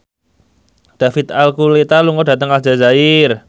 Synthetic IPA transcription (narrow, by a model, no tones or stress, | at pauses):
d̪̥a̤fɪt̪alkulet̪aluŋɔdä̤t̪əŋad͡ʒazaɪr